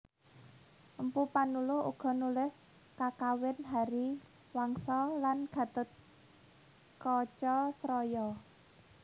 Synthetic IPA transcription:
ʔəmpupanulʊṵɡ̥ɔ̤nulɪs | kakawɪnɦaɾi | waŋsɔlanɡ̥ä̤t̪ʊ̤t̪̚ | kɔt͡ʃɔsɾɔjɔ

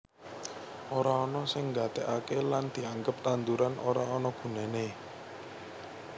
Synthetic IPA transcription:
ʔoɾaɔnɔsɪŋɡat̪ɛʔakeland̪̥i̤aŋɡəp̚t̪and̪uɾanʔoɾaɔnɔɡ̥ṳnɛne

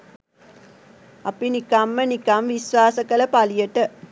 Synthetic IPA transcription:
apinikamːənikamʋisʋaːsəkələpalijəʈə

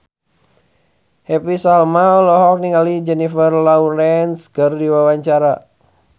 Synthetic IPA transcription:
hɛpisalmaulɔɦɔk̚niŋalid͡ʒɛnifərlauɾɛnskɨrdiwawaɲt͡ʃaɾa

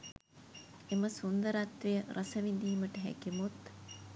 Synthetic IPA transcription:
eməsund̪əɾat̪ʋejəɾʔɐsɐʋind̪iːməʈəɦæ̰kimut̪

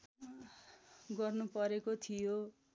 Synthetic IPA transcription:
ɡʌrnupʌɾekot̪ʰijo

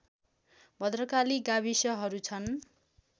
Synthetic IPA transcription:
bʱʌd̪rʌkaliɡabisʌɦʌɾut͡sʰʌn

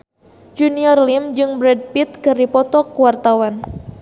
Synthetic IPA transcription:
d͡ʒuniɔrlimd͡ʒɨŋbɾɛd̚pit̪̚kɨrdipɔt̪ɔkuwart̪awan

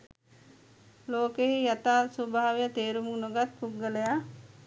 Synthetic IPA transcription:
loːkeɦijat̪aːsobʱaːʋejət̪eːɾumuŋnoɡat̪̚puɡːələja

